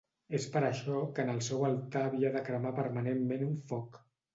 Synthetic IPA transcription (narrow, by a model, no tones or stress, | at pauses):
espəɾəʃɔkənəlˠsɛwəlˠt̪aːβiəðəkɾəmapəɾmənemmenuɱfɔk